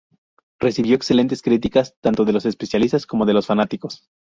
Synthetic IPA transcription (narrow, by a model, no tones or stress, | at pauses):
re̞siβjo̞ekse̞le̞nt̪̬e̞skɾit̪̬ikast̪ant̪o̞ðe̞losespe̞sjalist̪asko̞mo̞ðe̞lo̞sfanat̪iko̞s